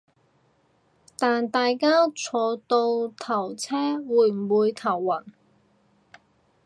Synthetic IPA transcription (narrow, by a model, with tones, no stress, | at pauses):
t̪aː˨nt̪aː˨jkaː˥t͡sʰɔː˨˧t̪o˧wt̪ʰɐ˨˩wt͡sʰɛː˥wuː˨˧jm̩˨˩wuː˨˧jt̪ʰɐ˨˩wːɐ˨˩n